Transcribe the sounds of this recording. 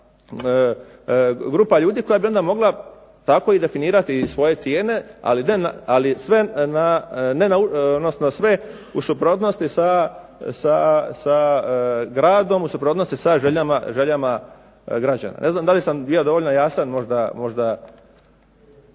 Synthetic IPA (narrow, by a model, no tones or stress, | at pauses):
ɡɾuːpaʎuːd̪iːko̞jabio̞nd̪amo̞ɡla | t̪ako̞id̪e̞finiːɾat̪isʋo̞je̞t̪sjeːne̞a̰linenaalisʋenanenauod̪nosnosʋe̞ | usupɾoːt̪no̞st̪isa | sasa | ɡɾaːd̪o̞musupɾot̪no̞st̪isaʒeʎamaʒeʎama | ɡɾad͡ʑa̰na̰nʔe̞znaːmd̪alisambijo̞d̪o̞ʋoʎʲno̞jaːsanmo̞ʒd̪amo̞ʒd̪a